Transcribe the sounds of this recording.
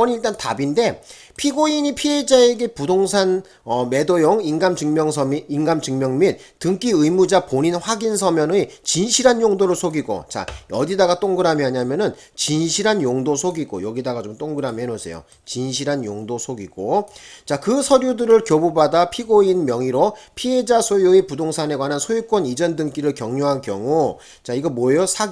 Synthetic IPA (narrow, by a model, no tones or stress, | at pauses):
ʌniiɭt͈antabinde̞ | pʰiɡoiɲipʰie̞d͡ʑae̞ɡe̞pudoŋsʰan | ʌme̞dojoŋinɡamd͡ʑɯŋmjʌŋsʰʌminːnɡamt͡ɕɯŋmjʌŋmin | tɯŋk͈iɯjmud͡ʑapoɲinɸwaɡinsʰʌmjʌnɯit͡ɕinɕʰiɾɦanjoŋdoɾosʰoɡiɡo̰t͡ɕa̰ʌdidaɡat͈oŋɡɯɾamiɦaɲamjʌnɯn | t͡ɕinɕʰiɾɦanjoŋdosʰoɡiɡo̰jʌɡidaɡat͡ɕomt͈oŋɡɯɾamiɦenosʰe̞̰jo̰ | t͡ɕinɕʰiɾɦanjoŋdosʰoɡiɡ̥ot͡ɕakɯsʰʌɾjudɯɾɯɭkjobubadapʰiɡoinmjʌŋiɾopʰiɦe̞d͡ʑasʰojuepudoŋsʰane̞ɡwanansʰojuk͈wʌnid͡ʑʌndɯŋk͈iɾɯɭkjʌŋɲoɦankjʌŋu | t͡ɕaiɡʌmwʌjosʰa